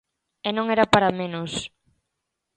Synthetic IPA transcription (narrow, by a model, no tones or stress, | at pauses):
ɛnõŋɛɾapaɾamẽnʊs